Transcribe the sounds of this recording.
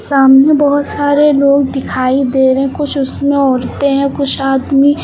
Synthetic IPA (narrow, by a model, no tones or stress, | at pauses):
saːmnebɔɦʊt̪saːɾeloːɡ̚d̪ɪkʰaːid̪eːɾəɦɛ̃kʊt͡ʃʰʊsmẽɔːɾt̪eɦɛ̃kʊt͡ʃʰaːd̪mi